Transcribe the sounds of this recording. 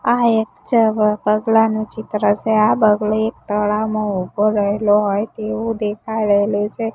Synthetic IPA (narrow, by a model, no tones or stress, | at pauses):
aekt͡ʃəpəɡlanũt͡ʃit̪ɾət͡ʃʰeabəɡleek̚t̪əɭawmãubʱoɾəɦeloɦojt̪eʋũd̪ekʰajɾəɦelut͡ʃʰe